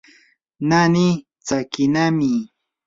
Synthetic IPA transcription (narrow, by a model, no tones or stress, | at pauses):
nani | t͡sakɪnamɪ